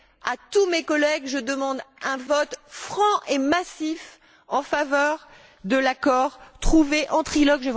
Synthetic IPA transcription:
at̪umekɔlɛɡʒəd̪əmɑ̃d̪ɛ̃vɔt̪fχɑ̃ʔemasif | ɑ̃favœʁ | d̪əlakɔʁt̪χuveʔɑ̃t̪χilɔɡʒəv

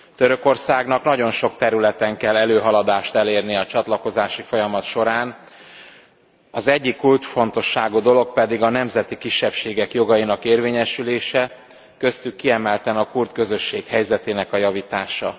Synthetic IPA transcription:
t̪øɾø̞ko̞rsaːɡnɒknɒɟo̞nʃo̞k̚t̪ɛɾylɛt̪ɛŋkɛlːɛløːɦɒlɒd̪aːʃt̪ɛleːrniɒt͡ʃɒt̪lɒko̞zaːʃifo̞jɒmɒt̪ʃo̞ɾaːn | ɒzɛɟːikːult̪fo̞nt̪o̞ʃːaːɡuːd̪o̞lo̞k̚pɛd̪iɡɒnɛmzɛt̪ikiʃːɛpʃeːɡɛkjo̞ɡɒjinɒkeːrveːɲɛʃyleːʃɛ | kø̞st̪ykːiɛmɛlt̪ɛnɒkurt̪̚kø̞zø̞ʃːeːkhɛjzɛt̪eːnɛkɒjɒvit̪aːʃɒ̰

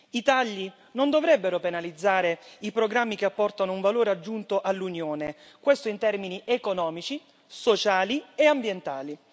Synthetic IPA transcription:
it̪aʎːi | nond̪ovɾɛbːeɾopenalid̪zːaːɾeipɾoɡɾamːikeapːɔrt̪anouɱvaloːɾead͡ʒːunt̪oʔalːunjoːne | kwest̪oint̪ɛrminiʔekonɔːmit͡ʃi | sot͡ʃaːlieambjent̪aːli

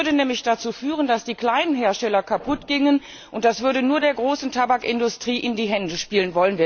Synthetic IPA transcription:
ɐdənɛːmlɪçd̥at͡suːfyːʁəndasd̥iːkl̥aɪnənɦeːɐʃtɛlɐkʰapʰʊtɡ̥ɪŋən | ʔʔʊnt̚d̥asv̥ʏɐɾənuːɐdeːɐɡʁoːsn̩tʰabakʔɪndʊstʁ̥iːʔɪndiːɦɛndəʃpiːlənvɔlənviː

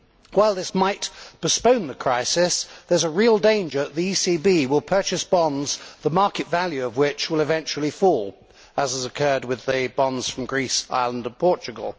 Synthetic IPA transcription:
waɪlˠðɪsmaɪtpʰəspə̃ʊ̃nðəkʰɹ̥aɪsɪsðə˞zəɹilˠdẽɪ̃nd͡ʒə˞əʔ̪ðiisibiwɪlˠpʰɜ˞t͡ʃɨsb̥ɑ̃ndz̥ðəmɑɹkɨtvælˠjʉʌvwɪt͡ʃwəlˠɨvɛ̃nt͡ʃul̩ˠifɔlˠ | əzəzəkʰɜ˞d̚wɪðɨbɑ̃ndz̥fɹə̃mɡɹisa̰ɪlˠə̃ndə̃npʰɔɹt͡ʃɨɡəl̩ˠ

